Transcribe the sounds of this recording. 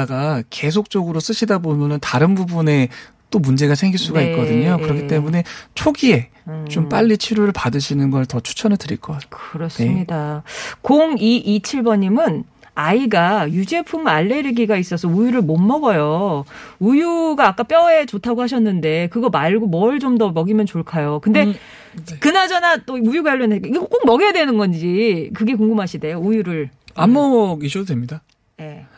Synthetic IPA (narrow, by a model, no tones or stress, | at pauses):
ɡake̞sʰok̚t͡ɕ͈ʌɡɯɾos͈ɯɕʰidabomjʌnɯntaɾɯnbubune̞ | t͈omund͡ʑe̞ɡasʰe̞ŋɡiɭs͈uɡaik͈ʌdɯɲokɯɾʌkʰit͈e̞mune̞t͡ɕʰoɡie̞ | t͡ɕomp͈aʎːit͡ɕʰiɾoɾɯɭpadɯɕʰinɯnɡʌɯtʌt͡ɕʰu̥t͡ɕʰʌnɯɭtɯɾḭɭk͈ʌk͈aɯɾʌs͈ɯmɲidakoŋiʔit͡ɕʰiɭbʌɲimɯn | aiɡajud͡ʑe̞pʰumaɭːe̞ɾɯɡiɡais͈ʌsʰʌujuɾɯɭmomːʌɡʌjo | ujuɡaːk͈ap͈jʌe̞t͡ɕotʰaɡoɦaɕ̬ʰʌnːɯnde̞kɯɡʌmaɭɡomʌɭt͡ɕomdʌmʌɡimjʌnt͡ɕoɭkʰajokɯnde̞ | kɯnad͡ʑʌnat͈oujuɡajaɭːʌnkiɡk͈ok̚mʌɡijadwenɯnɡʌnd͡ʑikɯɡe̞k̬oŋɡɯmɦaɕʰide̞joujuɾɯɭamːʌiɕʌdemɲida | je̞